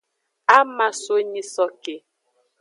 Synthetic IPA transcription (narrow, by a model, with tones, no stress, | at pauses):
a˦ma˨so˦ɲi˦sɔ˦ke˨